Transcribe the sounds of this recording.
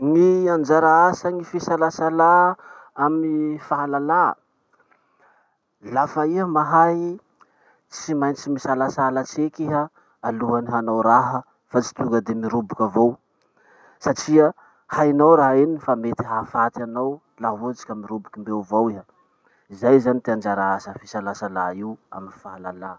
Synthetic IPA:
ŋiand͡ʒaɾaasaŋifisalasalaamifaɦalala̰ | lafəiɦəmaɦaj | t͡simajnt͡simisalasalat͡sekiɦə | aluɦaniɦanawɾaɦə | fat͡si̥t̪uŋɡəd̪emiɾubukʲavow | saʈ͡ʂiə | hajnawɾaɦeninfamet̪iɦafat̪anaw | laɦut͡si̥kʲamiɾubukimbewvowiɦə | izajzanit̪iand͡ʒaɾaasəfisalasalaiwa̰minifaɦalala

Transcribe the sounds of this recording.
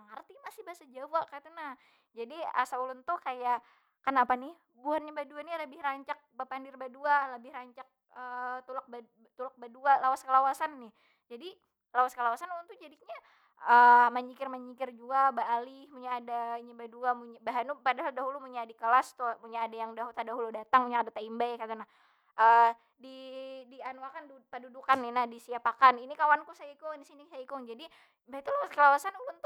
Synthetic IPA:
saŋərt̪imasɪhbaasad͡ʒawakat̪anah | d͡ʒadia̰saulʊnt̪ukaja | kanapanɪh | buarɲabaduanɪləbɪhraɲt͡ʃak̚bapandɪrbadualəbɪhraɲt͡ʃak̚ | ət̪ulak̚ba | t̪ulak̚badualawaskəlawasanːɪh | d͡ʒadi | lawaskəlawasanulʊnt̪ud͡ʒadiɲa | əmaɲikɪrmaɲikɪrd͡ʒuabaːlɪhmuɲaːdaiɲabaduamuɲabaɦanupadaɦaldaɦulumuɲadikəlast̪umuɲaːdajaŋdaɦut̪adaɦuludat̪aŋmuɲaadat̪aimbajkat̪anah | ʔə | didianuakandupədudukanːɪnahdisiapakaninikawankusaikʊŋdisinisaikʊŋd͡ʒadi | bait̪ulawaskəlawasanubunt̪u

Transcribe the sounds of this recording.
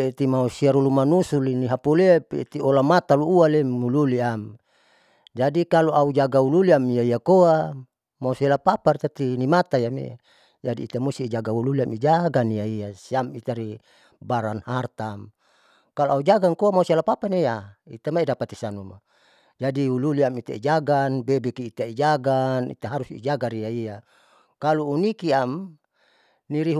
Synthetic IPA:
et̪imausiaɾulumanusuliniɦapolepet̪iolamat̪aluːalemululiam | d͡ʒadikaloʔaud͡ʒaɡaululiamiaiakoa | mauselapapart̪at̪inimat̪ajamḛa̰ | d͡ʒadiːt̪amust̪id͡ʒaɡaululiamid͡ʒaɡaniaiasiamit̪aɾi | baɾanhart̪am | kaluaud͡ʒaɡaŋkoamausalapapanejaḭt̪amaidapat̪isanuma | d͡ʒadiululiamit̪a̰id͡ʒaɡanbebɛkiːt̪aid͡ʒaɡanḭt̪aɦaɾusḭd͡ʒaɡaɾijaija | kaluːnikiam | niɾiɦ

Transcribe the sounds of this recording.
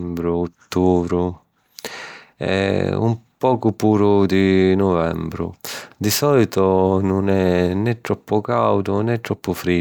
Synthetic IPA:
mbɾʊːt̪ːuːvɾʊ | ɛ̰ṵmpɔːkʊpuːɾʊd̪inʊvɛ̰mbɾʊ̰d̪isɔlit̪ʊnʊnɛnɛt̪ːɾɔpːʊkawd̪ʊnɛt̪ːɾɔpːʊfɾi

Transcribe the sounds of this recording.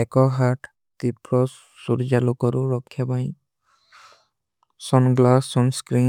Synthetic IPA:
ɛkɔɦaʈ | t̪ipɾɔsː | uɾd͡ʒalɔkɔɾuɹɔkʰːjabaj | sɔnɡlasːɔnskɾi

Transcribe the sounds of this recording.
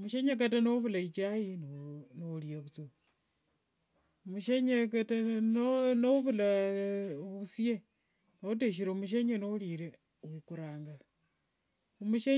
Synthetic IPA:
muʃeɲak̬atanoβulait͡ʃajinnoliaβut͡so | omuʃeɲekatanonoβula | βusie | noot̬eʃ̬iɾemuʃ̬eɲenoliɾe | ukuɾaːŋɡa | omuʃe

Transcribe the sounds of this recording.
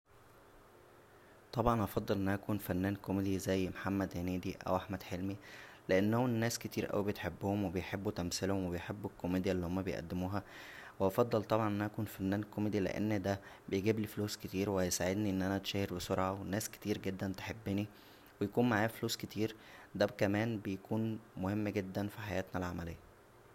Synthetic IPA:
t̪ˤɑbʕɑnʔɑfɑd̪ˤːɑlʔenʔæʔækuːnfænːæːnkomed̪izæjːmħamːæd̪henæːd̪iʔæ̰wʔaħmæd̪̥ħelmileʔenːhonːæːsket̪iːɾʔæ̰wibet̪ħebːohomwebejħebːut̪æmselhomwebejħebːukʰːomeːd̪jælːiːhomːæbejʔæ̰d̪ːemuːɦæweɑfɑd̪ˤːɑlt̪ˤɑbʕɑnʔænʔkuːnfænːæːnlkːomed̪ilḛʔḛnːd̪æbejɡiːblifluːsket̪iːɾwesaʕed̪niʔenːʔænæt̪ʃæːheɾbesoɾʕɑwenæːske̥t̪iːɾɡed̪ːænt̪e̥ħebːeni | wejækuːnmaʕaːfluːsket̪ʰiːɾd̪ækæmæːnbejækʰuːnmohemːɡed̪ːænfiħajæːt̪nælʕamælejːæ

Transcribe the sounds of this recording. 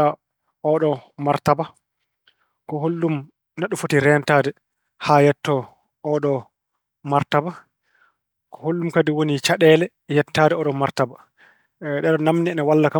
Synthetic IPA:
a | ɔɗɔmaɾtaba | kɔɦolːum | naɗːufotiɾɛntadɛ | hajɛtːɔ | ɔɗɔ | maɾtaba | kɔ̥holːumkadiwonit͡ʃaɗɛːlɛ | jɛtːaːdɛɔɗɔmaɾtaba | ɗɛɗɔnamnɛnɛwalːaka

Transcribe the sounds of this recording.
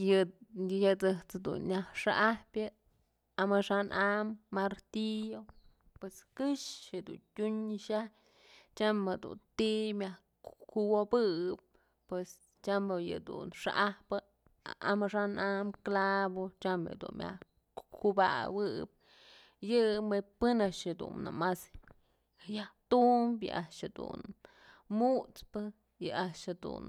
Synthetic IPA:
jɨjɨt͡sɨht͡sd̪ṵnɲʲahʂaʔahpjɨ | amɨʂanʔamːaɾt̪ijo | pweskɨʃjɨd̪ṵntʲuɲʃa | t͡ʃamed̪ṵnt̪imja | kuwobɨp̚ | pwes | t͡ʃamɨjɨ̰d̪ṵnʂa̰ʔahpɨ | a̰ʔamɨʂanʔamklabot͡ʃamjɨ̰d̪ṵnmja̰ | kuba̰wɨp̚ | jɨmepɨnaʔʃhed̪ṵnːa̰mas | jaht̪umbjɨ̰ʔaʂhed̪ṵn | mut̪pɨ | jɨʔaʂhed̪ṵn

